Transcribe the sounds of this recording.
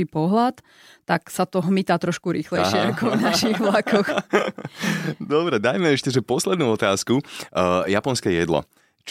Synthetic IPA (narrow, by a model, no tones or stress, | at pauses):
ipɔɦlat̪ː | aksat̪ɔɦmit̪aːt̪ɾɔʃkuɾiːxlɛjʃɛakɔʊnaʃiɣʋlakɔx | d̪ɔbɾɛd̪ajmɛɛʃcɛʒɛpɔslɛd̪nuːɔt̪aːskujapɔnskɛjɛd̪lɔ̰ | t͡ʃ